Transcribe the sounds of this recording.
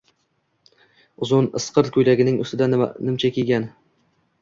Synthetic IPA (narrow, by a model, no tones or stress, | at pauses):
ʊzʊnɨsqʰɨɾkʲʰɵjlaɡʲɪnɪŋʊ̰st̪ɪd̪anɪmt͡ʃʰakʲʰeɡʲan